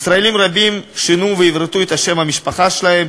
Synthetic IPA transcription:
sɾaelimɾabimʃinuveivɾt̪uet̪haʃemhamiʃpaχaʃelahe̞m

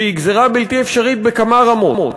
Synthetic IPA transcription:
eiɡzeʁabilt̪iefʃaʁit̪̚bekamaʁamomo

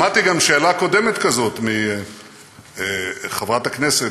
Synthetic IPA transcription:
mat̪iɡamʃe̞ːlako̞d̪e̞me̞t̪kazo̞t̪mi | χevʁat̪aknese

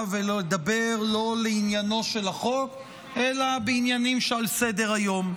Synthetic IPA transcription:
veloled̪abeʁlo̞leinjano̞ʃe̞laχo̞k | ʔe̞labeinjanimʃealsed̪e̞ʁajo̞m

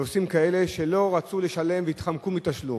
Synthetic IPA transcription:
osimkae̞le̞ʃe̞lo̞ʁat͡suleʃale̞mveit̪χamkumitaʃlṵ

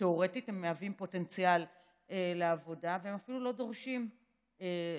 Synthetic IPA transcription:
teo̞ʁe̞tithemːeavimpo̞te̞nt͡sijal | eleavo̞daveemafilulo̞do̞ʁʃim | e

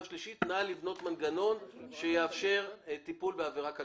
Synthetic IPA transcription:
vʃliʃitnalivno̞tmanɡano̞nʃejeafʃe̞ʁtipulbeaveʁaka

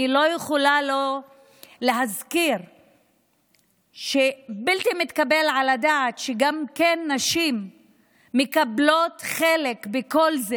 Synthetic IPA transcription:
ilo̞jeχolalo̞ | leɦazkiʁ | ʃebilt̪imit̪kabe̞lʕaladaːt̪ʃeɡamkenːaʃimː | ekablo̞tχele̞kbeko̞lze

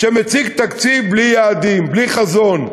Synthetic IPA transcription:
ʃemet͡siɡt̪akt͡siblijaːd̪imbliχazo̞n

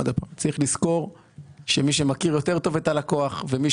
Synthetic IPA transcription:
ad̪apa̰mt͡saiχlisko̞ʁ | ʃe̞miʃe̞makiʁjo̞t̪e̞ʁt̪o̞vet̪alako̞aχve̞mi

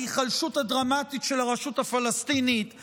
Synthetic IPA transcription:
iχalʃuthadʁamatitʃelaʁaʃuthafalastinit

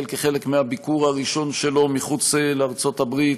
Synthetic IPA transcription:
lkeχe̞lekmeabikuʁaʁiʃo̞nʃe̞lo̞miχut͡sleaʁt͡so̞t̪abʁit

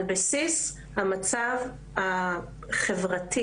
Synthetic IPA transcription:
lbasis | hamat͡sav | a | χevʁatʰi

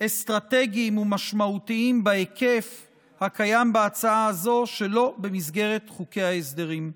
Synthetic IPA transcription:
est̪ʁate̞ɡiːmumaʃmaut̪iimbaeke̞f | hakajambeat͡saaazo̞ʃe̞lo̞be̞mizɡe̞ʁe̞t̪χuke̞jhaesd̪e̞ʁim

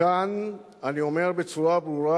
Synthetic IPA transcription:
an | anio̞me̞ʁbet͡suʁabʁuʁa

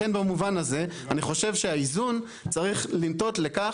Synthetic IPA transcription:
enbamuvanaze̞aniχo̞ʃe̞vʃe̞aizun | t͡saʁiχlimto̞tle̞ka

